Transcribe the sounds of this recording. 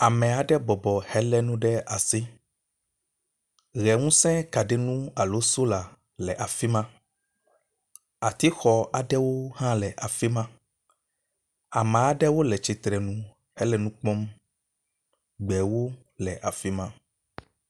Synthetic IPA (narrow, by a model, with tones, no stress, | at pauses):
a˨mɛ̃˨a˨ɖɛ˦bɔ˨bɔ˨hɛ˦lɛ˦nũ˦ɖɛ˦a˨si˦ | ɣɛ˨ŋũ˦sɛ̃˦ka˨ɖɛ˦nũ˦a˨lo˦so˦la˨ | lɛ˨ʔa˨fi˦mã˦ | a˨t̪i˦xɔ˨a˨ɖɛ˦wo˦ɦã˦lɛ˨ʔa˨fi˦mã˦ | a˨mɛ̃˨a˨ɖɛ˦wo˦lɛ˨t͡ʃi˨t̪ɾɛ˨nũ˦ | hɛ˦lɛ˦nũ˦k͡pɔ˦m | ɡ͡bɛ˨wo˦ | lɛ˨ʔa˨fi˦mã˦